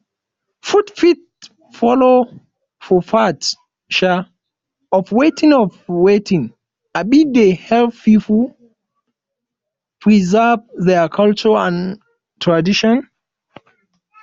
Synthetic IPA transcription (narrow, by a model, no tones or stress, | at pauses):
fudfit̚ | fɔlo | fɔfat | ʃa | ɔfwetʰĩŋɔfwetĩŋ | abidehɛlfpipəl | pʰɹizəvðɛkʰalt͡ʃəãn | tʰɹadiʃɔ̃n